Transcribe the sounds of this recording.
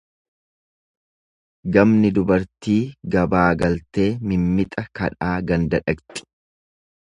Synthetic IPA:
ɡɐmnɪd̪ʊbɐɾt̪iːɡɐbaːɡɐlt̪e̞ːmɪmːɪt̪ʼɐkɐ̰ᶑaːɡɐnd̪ɐᶑɐkt̪ʼɪ̥

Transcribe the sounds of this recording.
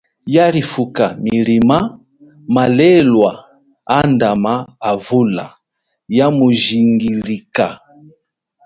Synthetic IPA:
jalifukamilima | malɛlwa | andamaːvula̰ | jamuʒiŋɡilika

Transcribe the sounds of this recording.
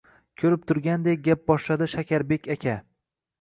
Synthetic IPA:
kʲʰɵɾɪp̚t̪ʰʊɾɡʲand̪ek̚ʲɡʲap̚bɒʃlad̪ɪʃakʲʰaɾbe̞kʲʰakʲʰa

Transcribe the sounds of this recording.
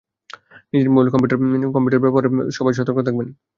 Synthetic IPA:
nid͡ʑeɾmolkɔmpiuʈaɾnkɔmpjuʈaɾbɛpoɾeʃɔbaʃ̬ɔt̪ːoɾkot̪ʰak̚ben

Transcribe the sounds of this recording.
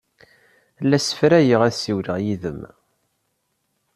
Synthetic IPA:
lːæsə̥fɾæjəʁæðsiwləʁjiðə̰m

